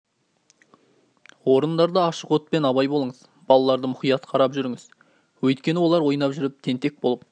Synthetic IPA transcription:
wo̞ɾənd̪ɑɾd̪əɑʃəqwɵt̪̚pe̞nɑβɑjbolˠəɴəz | bɑlˠɑlˠɑɾd̪əmʊχijɑt̪qʰɑɾɑpʒʏɾɪŋɪz | wɵjt̪kʲe̞nɪwo̞lˠɑɾwo̞jnɑpʒʏɾɪp̚t̪ʰe̞nt̪e̞k̚bolˠəp̚

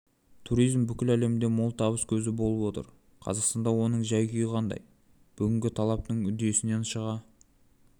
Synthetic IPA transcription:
t̪ʰuɾijzmbʏkʲɪlæle̞mɪnd̪e̞molˠt̪ʰɑβəskʲʰɵzɪbo̞lˠəpwo̞t̪ə̰ɾ | qʰɑ̰zɑqst̪ɑnd̪ɑwo̞nəɴʒɑjkʲyjəqʰɑnd̪ɑ̰j | b̥ʏɡʲɪŋɡʲɪt̪ʰɑlˠɑp̚t̪əɴʏd̪e̞sɪne̞nʃəʁɑ

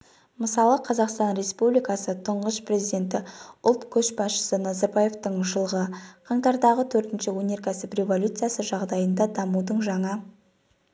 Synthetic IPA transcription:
məsɑlˠəqʰɑzɑqst̪ɑnɾe̞spublʲijkɑsət̪ʰʊɴʁəsprʲe̞zid̪e̞nt̪ɪʊlˠt̪kʲʰɵʃbɑsʃə̥sənɑzɑɾbɑje̞ft̪əɴʒəlˠʁəqʰɑɴt̪ɑɾd̪ɑʁət̪ʰɵɾt̪ɪnʃɪwɵne̞ɾkʲʰæsɪprʲe̞vo̞lʲut̪sɨjasəʒɑʁd̪ɑjənd̪ɑd̪ɑmud̪əɴʒɑɴɑ

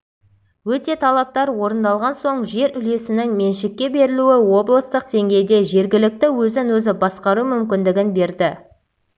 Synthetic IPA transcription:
wɵt̪e̞t̪ʰɑlˠɑp̚t̪ɑɾwo̞ɾənd̪ɑlˠʁɑnso̞ɴʒe̞ɾʏle̞sɪnɪŋme̞nʃɪkʲːe̞be̞ɾɪluɪwo̞blˠəst̪əq̚d̪e̞ŋɡʲe̞jd̪e̞ʒe̞ɾɡʲɪlɪk̚t̪ɪwɵzɪnwɵzɪbɑsqɑɾumʏmkʲɪnd̪ɪɡʲɪnbe̞ɾd̪ɪ

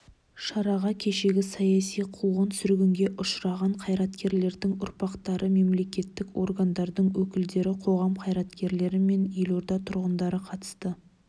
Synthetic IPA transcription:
ʃɑɾɑʁɑkʲʰe̞ʃe̞ɡʲɪsɑjɑsijqʰuʁənsʏɾɡʲɪŋɡʲe̞ʔʊʃɾɑʁɑɴqʰɑjɾɑt̪kʲe̞ɾle̞ɾd̪ɪŋʊɾpɑqt̪ɑɾʔəme̞mle̞kʲe̞t̪ːɪko̞̰rɡand̪ɑɾd̪əɴwɵkʲɪld̪e̞ɾɪqʰo̞ʁɑmqʰɑjɾɑt̪kʲe̞ɾle̞ɾɪme̞njeloɾd̪ɑt̪ʰʊɾʁənd̪ɑɾəqʰɑt̪ə̥st̪ə

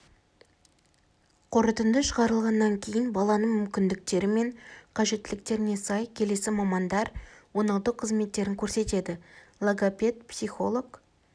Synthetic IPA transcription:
qʰoɾət̪ənd̪əʃəʁɑɾəlˠʁɑnːɑŋkʲʰe̞jɪnbɑlˠɑnəmʏmkʲɪnd̪ɪk̚t̪e̞ɾɪme̞ɴqʰɑʒe̞t̪ːɪlɪk̚t̪e̞ɾɪne̞sɑjkʲʰe̞le̞sɪmɑmɑnd̪ɑɾwo̞nɑw̪ˠd̪əqʰəzme̞t̪ːe̞ɾɪŋkʲʰɵɾse̞t̪e̞d̪ɪlˠoɡapʲe̞t̪psijχo̞lˠo̞k

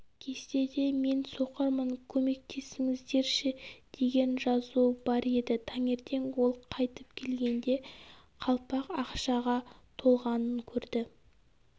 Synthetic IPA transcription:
kʲʰe̞st̪e̞d̪e̞me̞nso̞qəɾməŋkʲʰɵme̞k̚t̪ʰe̞sɪŋɪzd̪e̞ɾʃɪd̪̥e̞ɡʲe̞nʒɑzubɑɾe̞d̪ɪt̪ʰɑŋe̞ɾt̪ʰe̞ŋwo̞lˠqʰɑjt̪əpkʲʰe̞lɡʲe̞nd̪e̞ | qʰɑlˠpɑqɑqʃɑʁɑt̪ʰo̞lˠʁɑnəŋkʲʰɵɾd̪ɪ

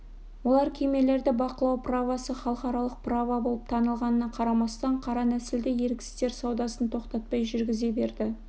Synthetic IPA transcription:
wo̞lˠɑɾkʲʰejme̞le̞ɾd̪ɪbɑqəlˠɑwpravɑsəχɑlˠəqɑɾɑlˠəq̚pʰravɑbolˠəp̚t̪ʰɑnəlˠʁɑnənɑqʰɑɾɑmɑst̪ɑɴqʰɑɾɑnæsɪld̪ɪje̞ɾkʲɪ̥st̪e̞ɾsɑwd̪ɑsənt̪ʰo̞qt̪ɑt̪̚pɑjʒʏɾɡʲɪze̞be̞ɾd̪ɪ

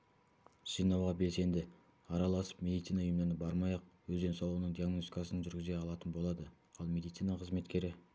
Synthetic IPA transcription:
ʒ̥əjnɑwʁɑbe̞lse̞nd̪ɪ | ɑɾɑlˠɑsə̥p̚mʲe̞d̪ijt̪sijnɑʊjəmd̪ɑnəbɑɾmɑjɑq̚wɵzd̪e̞nsɑlˠuənəɴd̪ijaɡnost̪ikasənʒʏɾɡʲɪzeɑlˠɑt̪ənbo̞lˠɑd̪ə | ɑlˠmʲe̞d̪ijt̪sinɑqʰəzme̞t̪kʲe̞ɾɪ

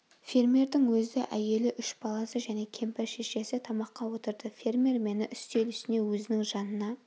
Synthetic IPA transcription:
fʲe̞rmʲe̞rd̪ɪŋwɵzɪʔæje̞lɪʔʏʃbɑlˠɑsəʒæne̞kʲʰe̞mpæɾʃeʃe̞sɪt̪ʰɑmɑqːɑwo̞t̪əɾd̪əfʲe̞rmʲerme̞nɪʔʏst̪e̞lʏst̪ɪne̞wɵzɪnɪŋʒɑnənɑ

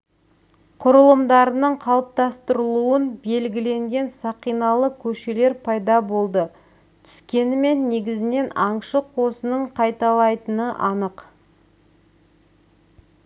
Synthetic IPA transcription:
qʰʊɾəlˠəmd̪ɑɾənəɴqʰɑlˠəp̚t̪ɑst̪əɾəlˠuənbe̞lɡʲɪle̞ŋɡʲe̞nsɑqijnɑlˠəkʲʰɵʃe̞le̞ɾpʰɑjd̪ɑbo̞lˠd̪ə | t̪ʰʏ̥skʲe̞nɪme̞nːe̞ɡʲɪzɪne̞nɑɴʃəqʰo̞sənəɴqʰɑjt̪ɑlˠɑjt̪ənəʔɑnəq

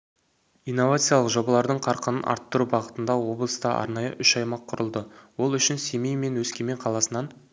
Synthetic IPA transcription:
ijnːo̞vat̪sɨjalˠəqʒo̞bɑlˠɑɾd̪əɴqʰɑɾqənənʔɑ̰ɾt̪ːʊɾubɑʁət̪ənd̪ɑwo̞blˠəst̪ɑʔɑ̰ɾnɑjə̰ʔʏʃɑjmɑqʰːʊɾəlˠd̪əwo̞lˠʏʃɪnse̞mejme̞nwɵskʲe̞me̞ɴqʰɑlˠɑsənɑn

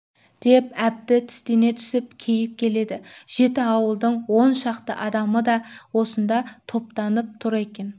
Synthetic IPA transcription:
d̪̥e̞pæb̚t̪ɪt̪ʰɪ̥st̪ene̞t̪ʰʏ̥sɪp̚kʲʰe̞jɪp̚kʲʰe̞le̞d̪ɪʒ̥e̞t̪ɪɑwəlˠd̪əɴwo̞nʃɑqt̪əʔɑd̪ɑməd̪ɑwo̞sənd̪ɑt̪ʰo̞pt̪ɑnəp̚t̪ʰʊɾe̞kʲe̞n

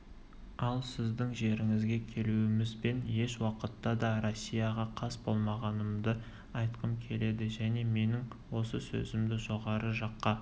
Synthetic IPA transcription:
ɑlˠsɪzd̪ɪŋʒe̞ɾɪŋɪzɡʲe̞kʲʰe̞luɪmɪzbe̞nje̞ʃwɑqət̪ːɑd̪ɑɾo̞sʲːijɑʁɑqʰɑsbo̞lˠmɑʁɑnəmd̪ə | ɑjt̪qəmkʲʰe̞le̞d̪ɪʒæne̞me̞nɪŋ | wo̞səsɵ̰zɪmd̪ɪʒo̞ʁɑɾəʒɑqːɑ

